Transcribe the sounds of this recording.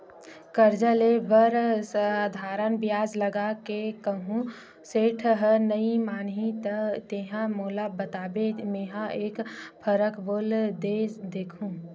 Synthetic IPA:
kəɾd͡ʒəlebəɾsad̪ʱaːɾənbjaːd͡ʒləɡakekəɦũ | seːʈʰɦənəimaːnɦit̪ət̪eːɦãmoːlabət̪aːbemeːɦãʔeːkpʰəɾəkboːld̪ed̪eːkʰũː

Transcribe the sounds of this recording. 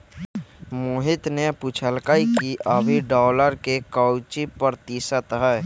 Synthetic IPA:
muːɦɪt̪neput͡ʃʰəlkaːikiʔəbʱiɖɔːləɾkekɔwt͡ʃipəɾt̪isət̪ɦɛː

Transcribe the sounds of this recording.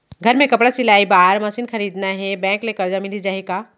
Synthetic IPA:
ɡʱɐɾmẽkɐpɽasɪlaːibaːɾmɐsiːnxɐɾiːd̪naɦɛbɛ̃ːklekɐɾd͡ʒamɪlid͡ʒaːeɡaː

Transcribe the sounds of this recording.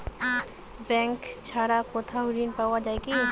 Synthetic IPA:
bɛŋkt͡ɕʰaɽakot̪ʰaɾinpawad͡ʑaeki

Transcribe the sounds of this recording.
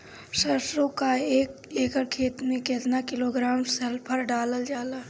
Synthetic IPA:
ʃəɾsɾõkaeːk | eːkəɾkʰeːt̪mẽkeːt̪nakɪloːɡɾaːmsɛlpʰəɾɖaːləld͡ʒaːlaː

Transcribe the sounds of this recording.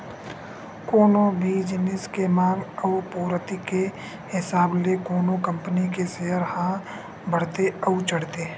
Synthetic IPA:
koːnõbʱid͡ʒɪnɪskemãːɡəʊpoːɾət̪ike | hɪsaːblekoːnõkə̃mpənikeseɦəɾhã | bʱəɽ̤t̪eəut͡ʃəɽt̪eː

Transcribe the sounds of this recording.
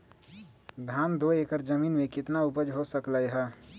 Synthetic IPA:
d̪ʱaːnd̪oeːkəɾd͡ʒɐmiːnmẽkɪt̪naʊpəd͡ʒɦosəklaeɦɛː

